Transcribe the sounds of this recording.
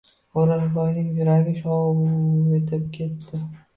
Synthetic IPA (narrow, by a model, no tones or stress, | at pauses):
oɾaɾbanɪŋbɪɾaɡʲɪʃɒ | et̪ʰɪp̚kʲʰe̞t̪ːɪ